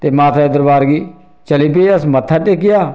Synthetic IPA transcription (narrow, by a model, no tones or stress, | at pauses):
t̪eːmãːt̪ʰad̪əɾbaːɾɡiː | t͡ʃəliːp̬eːəsmət̪ʰːaːʈeːkɪjaː